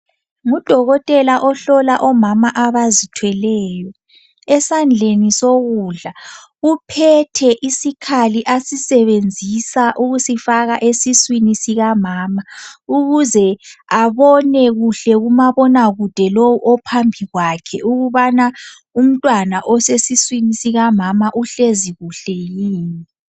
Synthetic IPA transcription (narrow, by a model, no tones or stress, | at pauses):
ŋud̥ʱɔɣɔtʼɛlaʔɔɬɔlaʔɔmamaʔaβazitʰwɛlɛːjɔ | ɛsand͡ɮʱenisoɣuɮa | upʰɛtʰɛʔisikʰaliʔasisɛβend͡zʱisaʔuɣusifaɣaʔesiswinisiɣamaːmauɣuzɛaβɔnɛɣuɬɛɣumaβɔnaɣud̥ʱɛlowuʔɔpʰambʱiɣwakʰɛʔuɣuβana | um̩tʼwanaʔɔsesiswinisiɣamamaʔuɬeziɣuɬɛjiːni